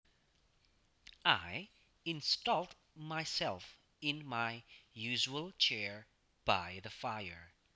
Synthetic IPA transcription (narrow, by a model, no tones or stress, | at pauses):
aɪ | ɨ̃nstɔlˠd | maɪsɛlˠf | ɪ̃nmaɪjʉʒəəl̩ˠt͡ʃʰɛɹ | b̥aɪðɨfaɪə̰˞